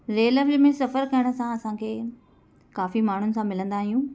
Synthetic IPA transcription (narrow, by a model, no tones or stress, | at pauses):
ɾeːləʋd͡ʒmẽsɐfəɾkɐjɪɽ̃ə̆sãɐsãkʰeː | kaːfimaːɳ̤ʊnɪ̆sãmɪlə̃nd̪aːɦijũː